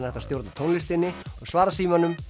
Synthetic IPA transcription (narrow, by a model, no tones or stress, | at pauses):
nɛht̪ast̪jowɾt̪at̪ʰownlɪst̪ɪnːɪɔɣsvaːɾasiːmanʏm